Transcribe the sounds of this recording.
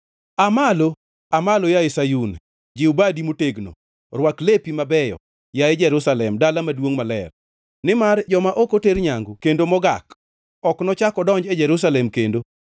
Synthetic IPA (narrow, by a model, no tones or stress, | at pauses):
amalo | amalojajesajun | d͡ʒɪubadimoteɡno̰ | rwaklepimabɛjɔ̰ | jajɪd͡ʒɛɾusalɛmdalamadwoŋmalɛr | nɪmard͡ʒɔmaʔokoteɾɲaŋɡokendomɔɡa̰k | ɔknɔt͡ʃakɔdɔɲd͡ʒɛd͡ʒɛɾusalɛmkendo